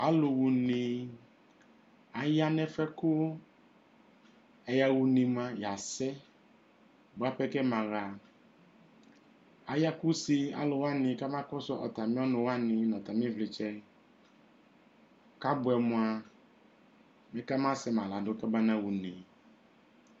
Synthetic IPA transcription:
a˦lʊ˨wu˨ni˨ | a˨ja˦nɛ˦fɛ˦kʊ˦ | ɛ˨ja˨wu˨ni˨mã˨ja˨sɛ˦˨ | bʊ˨˦a˦pɛ˦kɛ˦mã˨ɣa˨ | a˨ja˦ku˦si˦a̰˨lʊ˨wa˦nɪ̃˨ka˦mã˦kɔ˦sɔ˦ʔɔ̰˨ta˨mĩ˦ɔ˦nʊ̃˨wa˦nɪ˨nɔ̃˨t̪a˨m˦ĩ˦vlɪ˨t͡ʃɛ˦ | ka˦bʊ˨ɛ˨mʊ̃˨a˨ | mɛ̃˦ka˦mã˦sɛ˦mã˨la˨dʊ˦kɛ˦ba˦nã˦wu˨nĩ˨

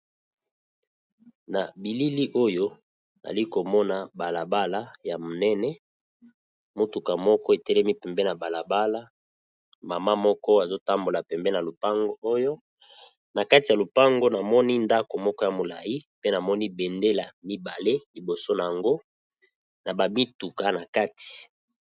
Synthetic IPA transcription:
na˨bi˨li˦li˦ʔo˦jo˦ | na̰˨i˦ko˨mɔ˦na˨ba˨la˨ba˦la˦ja˨mo˨nɛ˦nɛ˦ | mo˦tu˨ka˨mɔ˦kɔ˦e˨tɛ˦lɛ˦mi˦pɛ˨mbɛ˦na˨ba˨la˨ba˦la˦ | ma˨ma˦mɔ˦kɔ˦a˨zo˦ta˦mbo˨la˨pɛ˨mbɛ˦na˨lo˨pa˦ŋɡo˦o˦jo˦ | na˨ka˦ti˨ja˨lo˨pa˦ŋɡo˦na˨mɔ˦ni˦nda˦ko˨mɔ˦kɔ˦ja˨mo˨la̰˨ji˦pe˦na˨mɔ˦ni˦bɛ˨nde˦la˨mi˦ba˨le˦li˨bo˨so˦na˨ja˨ŋɡo˦ | na˨ba˨mi˦tu˨ka˨na˨ka˦ti̥˨

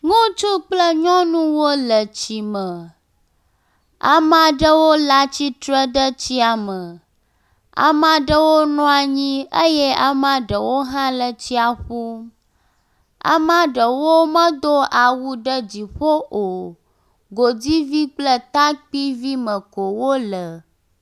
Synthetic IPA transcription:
ŋũ˦t͡ʃu˦k͡plə˦ɲɔ̃˦nũ˦wo˦lə˨t͡ɕi˨mə˨ | a̰˨mã˨ɖə˦wo˦la˦t͡ɕi˦t̪ɾə˦ɖ̪ə˦t͡ɕi˦a˨mə˨ | a̰˨mã˨ɖə˦wo˦nɔ̃˦a˨ɲĩ˦ə˦je˦a˨mã˦ɖə˨wo˦ɦã˦lə˨t͡ɕi˦a˨ɸu˦m | a̰˨mã˦ɖə˨wo˦mə̃˦d̪o˦a˨wu˦ɖə˦d͡ʑi˨ɸo˦ʔo˨ | ɡo˨d͡zi˦vi˦k͡plə˦t̪a˦k͡pi˦vi˦mə̃˨ko˨wo˦lə˨

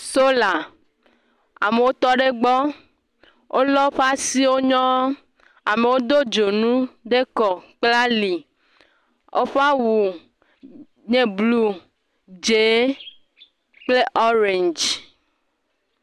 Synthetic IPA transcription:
so˦la˨ | a̰˨me˨wo˦t̪ɔ˦ɖe˦ɡ͡bɔ˦ | wʔo˦lɔ˦ɸa˦si˦wo˦ɲɔ̃˦ | a˨me˨wo˦d̪o˦d͡ʒo˨nũ˦ɖe˦kɔ˨k͡pla˦li˨ | o˦ɸa˦wu˨ | ɲẽ˨blu˦ | d͡ʒe˨˦ | k͡ple˦ʔɔ˦ɾe˨nd͡ʒ

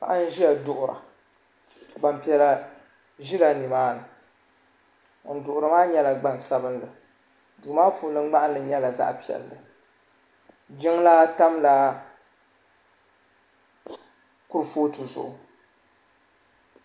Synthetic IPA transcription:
ka̰˨ʔa˦n̩˦ʒi˦a˨dʊ˨ʔʊ˨ɾa̰˨ | ɡ͡ba˨mpi˨ɛ˨la˨ | ʒi˦la˨ni˨maː˦nɨ˨ | n̩˨dʊ˨ʔʊ˨ɾɨ˨maː˦ɲɛ˦la˨ɡ͡ba˨nsa˦bɨ˦nlɨ˨ | duː˨maː˦puː˨˦lɨ˦ŋ͡ma˦ʔa˦n˦ɨ˨ɲɛ˦la˨za̰˦ʔpi˨ɛ̰˨lːɨ˨ | d͡ʒɪ˦ŋla˦ta˦mla˨ | kʊ˦ɾfoː˦tɨ˨zʊ̰˨ʔʊ˨

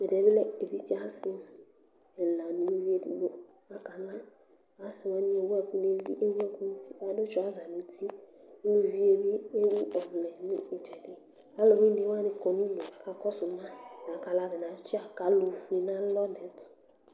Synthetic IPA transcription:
e˨dɛ˨˦bi˦lɛ˨e˨vi˦t͡ʃi˦a˦sɪ˦m | ɛ˨la˨nu˨lu˦vi˦e˦dḭ˨bo˦ | a˨ka˨la˦ | a˨sɪ˨wa˦ni˦e˨wa˦ku˦ne˦vḭ˦ʔe˦wu˦a˦ku˦ni˦ti˦a˨˦do˦t͡ʃʊ˨˦a˨˦za˨nĩ˨˦tʰi˦lo˦vi˦e˦bi˦e˦wu˦ʔɔ˨vlɛ˨nʊ̰˦i˨tʰɛ˨dɪ˦ | a˦lɔ˨wi˦ne˨˦wa˦nɪ˦kɔ˨ni˦lo˨a˨ka˨kɔ˦sʊ˨ma˦n˨a˨ka˨la˦dɪ˨n˨a˨˦t͡ʃɪ˦a˨ka˨lo˨fu˨i˨na˦lɔ˦nɛ˨˦tʊ̥˨

